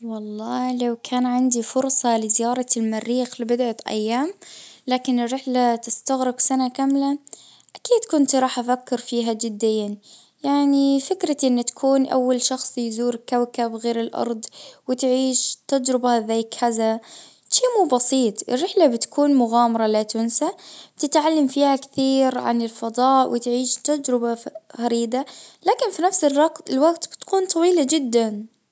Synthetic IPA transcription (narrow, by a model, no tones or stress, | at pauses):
wɑlˤːɑːlawkʰaːnʕɪnd̪ifʊɾsˤɑlɪzɪjɑːɾˤɑlmarːiːxlɪbɪd̪ʕaʔa̰jːaːmlaːkɪnɪrːɪħlat̪ɪst̪aɣɾɪɡsanakamla | ʔakiːd̪kʊnt̪ɾˤɑːħʔafakːɪɾfiːɦad͡ʒɪd̪ːɪjːan | jaʕnifɪkɾaʔɪnːt̪ḁkʰuːnʔa̰wːalʃɑxsˤjzuːɾkawkabɣeːɾɪlʔɑ̰ɾˤd̪ˤwɪt̪ʕiːʃt̪ad͡ʒɾɪbazaːkʰaða | ʃiːmuːbɑsiːt̪ˤʔɪ̰rːɪħlabɪt̪kuːnmʊɣaːmɑɾˤɑlat̪ʊnsat̪ɪt̪ʕalːamfiːhakθiːɾʕa̰nɪlfɑd̪ˤɑːʔwɪt̪ʕiːʃt̪ad͡ʒɾɪbaɣaɾiːd̪alaːkɪnfinafsɪrɑɪlwaɡt̪bɪt̪kuːnt̪ˤɑwiːlad͡ʒɪd̪ːan